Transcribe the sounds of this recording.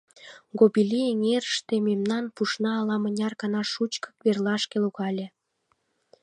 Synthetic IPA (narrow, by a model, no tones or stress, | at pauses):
ɡobilʲieŋeɾəʃt̪ememnɑnpuʃnɑːlɑmənʲɑrkɑnɑʃut͡ɕkə̥kβerlɑʃkeluɣɑlʲĕ